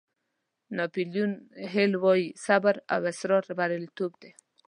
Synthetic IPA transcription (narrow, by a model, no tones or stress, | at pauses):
napiljunɦelwɔjisabaɾa̰wɪsɾɔɾbaɾɪlt̪obd̪e